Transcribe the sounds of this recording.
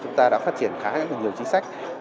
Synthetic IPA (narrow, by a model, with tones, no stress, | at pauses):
t͡ɕʊ˨˦ŋ͡mt̪aː˧ɗa̰ː˧˥faː˦˥t̚t͡ɕi˧˩ənxaː˧˦˨a˦˥a˨˩ɲi˨˩əwt͡ɕi˧ŋ̟sa˦˥jk̟̚